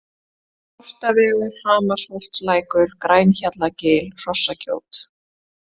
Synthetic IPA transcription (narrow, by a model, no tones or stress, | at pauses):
ɔr̥t̪avɛːɣɪɾ̥haːmasvɔr̥t̪slaːjkʏɾkɾajnçat̪lacɪːlr̥ɔsːaco̰ːwt̪